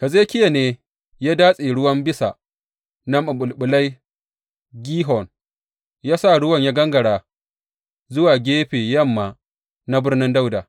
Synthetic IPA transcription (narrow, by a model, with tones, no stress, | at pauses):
ka˨zeː˦kʲɪ˦ja˨neː˦ | jaː˦daː˦sʼe˨ɽʊ˦wɐ˦mbɪ˦sa̰˨ | na˦ma˨ɓʊ˨lɓʊ˨la˦j | ɡʲiː˦ɦɔ˨n | jaː˦sa˦˨ɽʊ˦wɐ˨ɲja˦ɡɐ˦ŋɡɐ˨ɽaː˨ | zʊ˦waː˨ɡʲeː˦ɸeː˨jɐ˦˨mːaː˨ | na˦bɪ˦rnɪ˦nda˦wdaː˨